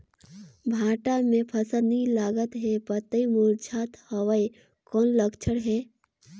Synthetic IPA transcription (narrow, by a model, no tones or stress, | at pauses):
bʱaːʈamẽpʰəsənilaːɡət̪ɦepət̪əimuɾd͡ʒʰaːt̪həʋəj | kɔːnləkt͡ʃʰəɽɦɛ